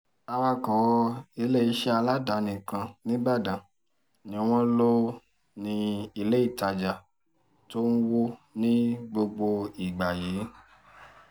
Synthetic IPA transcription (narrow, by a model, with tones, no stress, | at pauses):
a˧wa˧kɔ˨˧i˧le˦˨i˨˧˦ʃɛ˦a˧la˦da˨˦nĩ˨kã˧nĩ˦ba˦˨dã˨ | nĩ˨˦w̃ɔ̃˧lo˦ | nĩ˧i˧le˦i˦˨ta˨d͡ʒa˨ | to˦n̩˦wo˦nĩ˦ɡ͡bo˧ɡ͡bo˧i˨ɡ͡ba˨je˨˦